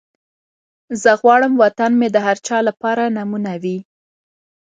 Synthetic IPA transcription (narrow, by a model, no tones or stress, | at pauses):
zəɣwɑɽəmwat̪anmed̪əɦaɾt͡ʃɑlapɑɾanamunawi